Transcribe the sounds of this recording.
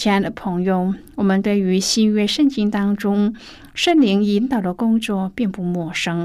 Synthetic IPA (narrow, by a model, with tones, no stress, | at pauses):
ɛ˥˧˥nd̪ə˧˩pʰɤ˧˥ŋjo˥˧˩ʊwɔ˨˩mə˧˦nt̪we˥˩ɪy˧˥ɕi˥nɥɛ˥˧ʂə˥˧nt͡ɕi˥ŋt̪ɑ˥ŋʈ͡ʂʊ˥ŋ | ʂə˥˩nli˧˥ŋi˧˥nt̪ɑ˨˩ʊd̪ə˦kʊ˥ŋt͡swɔ˥˧pi˥˧ŋpu˥˧mwɔ˥˩ʂɤ˥ŋ